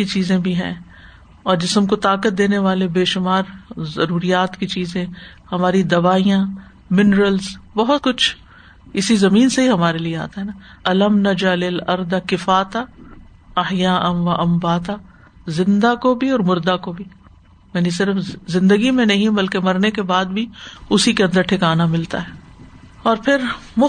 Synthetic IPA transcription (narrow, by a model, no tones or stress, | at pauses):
kit͡ʃiːzẽbʱiɦɛ̰̃ː | ɔːɾd͡ʒɪsəmkot̪aːkət̪̚d̪eːneʋaːlebeːʃʊmaːɾzɐɾuːɾijaːt̪kit͡ʃiːzẽ | hɐmaːɾid̪ɐʋaːijã | mɪnɾəlzbɔɦʊt̪̚kʊt͡ʃʰ | ɪsizɐmiːnseɦiɦɐmaːɾeliea̰ːt̪aɦɛna | ɐlɐmnɐd͡ʒalɪlɐɾd̪kɪfaːt̪a | ɐɦjaːʔɐʋɐʔɐmbaːt̪a | zɪ̃nd̪akobʱiɔːɾmʊɾd̪akobʱi | mɛːnis̬ɪɾəfzɪ̃nd̪əɡimẽnɐɦĩbɐlkemɐɾnekebaːd̪bʱiʊsikeɐ̃nd̪əɾʈʰɪkaːnamɪlt̪aɦɛːɔːɾpʰɪɾmʊ